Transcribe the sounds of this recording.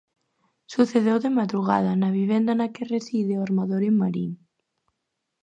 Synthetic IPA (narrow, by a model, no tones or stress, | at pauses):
suθeð̞ewðemaðɾuɣ̞a̰ð̞ɐnaβ̞iβ̞ɛnd̪anakeresiðeoaɾmaðoɾimaɾḭŋ